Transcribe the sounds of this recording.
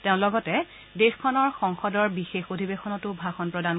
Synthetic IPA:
teʊ̃lɔɡɔtɛ | dexkʰɔnɔɹxɔŋxɔdɔɹbixexodʱibexʰɔnɔtʊbʱaxɔnpɹɔdan

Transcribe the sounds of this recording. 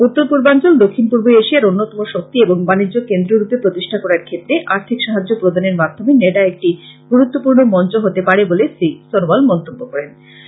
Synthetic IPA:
ut̪ːoɾpuɾbant͡ɕold̪okʰːinpuɾboeʃiaɾonːot̪ɔmoʃok̚t̪ieboŋbanid͡ʑːokend̪ɾoɾupːepɾot̪iʃʈʰakɔɾaɾkʰet̪ːɾeʔaɾt̪ʰikʃaɦad͡ʑːopɾod̪ʱaneɾmad̪ʱomeneɖaek̚ʈiɡuɾut̪ːopuɾnomɔnt͡ɕoɦot̪epaɾebolesɾisonobalmɔnt̪obːokɔɾen

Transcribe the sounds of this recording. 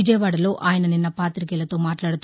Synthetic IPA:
id͡ʒɐjɐʋaːɽɐlo̞ːʔaːjɐnɐninːɐpaːt̪ɾik̬ɛːlɐt̪o̞ːmaːʈlaːɽut̪

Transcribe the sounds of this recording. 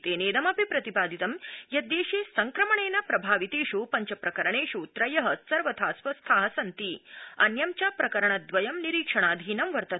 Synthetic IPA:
t̪eːneːd̪ɐmɐpipɾɐt̪ipaːd̪ʱit̪ɐmjɐd̪eːʂeːsɐŋkɾɐmɐɳeːnɐpɾɐbʱaːʋit̪eːʃupɐɲt͡ʃɐpɾɐkɐɾɐɳeːʂut̪ɾɐjɐɦɐsɐɾʋɐt̪ʰaːsʋɐst̪ʰaːɦɐsɐnt̪iɐ̰njɐmt͡ʃapɾɐkɐɾɐɳɐd̪ʋɐjɐmniɾiːkʂɐɳ̃aːd̪ʱiːnɐmʋɐɾt̪ɐ

